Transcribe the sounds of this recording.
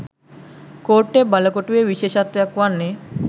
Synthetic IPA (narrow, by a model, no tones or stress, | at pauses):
koɾʈːebalokoʈueʋiʃeʃat̪ʋjakʋanːe